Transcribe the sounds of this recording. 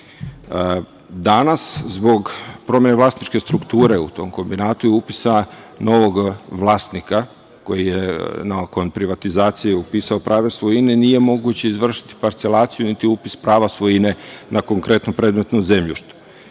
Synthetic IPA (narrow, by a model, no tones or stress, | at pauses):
d̪anaszbo̞ɡpɾo̞mjenelaːsnit͡ʃke̞st̪ɾukt̪uːɾeṵt̪o̞ːmko̞mbinaːt̪ujeupisa | no̞ʋo̞ɡʋlˠaːst̪nika | ko̞jijenako̞npɾiʋat̪izaːt̪sijeupisaopɾʔaːʋe̞sʋojine̞nije̞mo̞ɡut͡ɕe̞izʋr̩ʃi̥t̪i̥paɾt̪selˠaːt̪sijunit̪iupispɾaːʋasʋojine̞nako̞ŋkɾe̞t̪nopɾe̞ːd̪me̞t̪noze̞mʎuʃt̪u̥